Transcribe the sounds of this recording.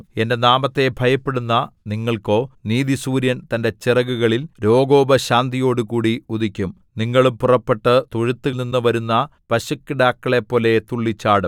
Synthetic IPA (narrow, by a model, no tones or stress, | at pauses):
e̞nde̞naːmɐt̪ːe̞bʱɐjɐpːe̞ɽunːɐniŋːɐɭko̞ːniːðisuːɾjɐnt̪ɐnde̞t͡ɕirɐɣuɣɐɭilɾo̞ːɡo̞ːbɐɕaːnd̪ijo̞ːɽukuːɽiuðikʲːum | niŋːɐɭumpurɐpːe̞ʈːɨt̪uɻit̪ːɨninːɨʋɐɾunːɐpɐɕukːɨɖaːkːɐɭepːo̞ːle̞t̪uɭːit͡ɕːaːɽum